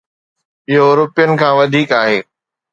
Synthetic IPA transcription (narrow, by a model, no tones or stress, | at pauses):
ɪɦoɾʊpijənɪ̆kʰãːʋɐd̪ʱiːkaːɦeː